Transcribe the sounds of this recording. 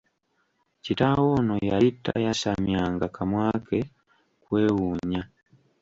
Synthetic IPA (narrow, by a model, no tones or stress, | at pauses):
citawo̞nojaitːa̰jaʃamjaːŋɡakʰamwaːkʰe | kwe̞ːwuːɲa